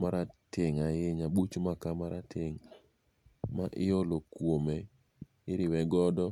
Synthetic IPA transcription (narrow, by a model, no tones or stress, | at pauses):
maɾatʰɪŋajɪɲaɓut͡ʃmakamaɾatʰɪŋ | maʔɪɔlokwome | ɪɾɪwɛɡɔdɔ